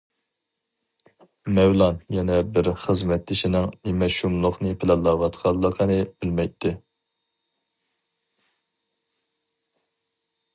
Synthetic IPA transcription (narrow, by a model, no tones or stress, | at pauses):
mɛwlˠɑnjɛnɛbɪɾχəzmɛt̪ʰːɪʃinɪŋnɪmɛʃumlˠʊχnɨpʰɪlɛnlˠːɑːwɑt̪qʰɑlˠːəqʰənɨb̥ɪlmɛjt̪ʰːɪ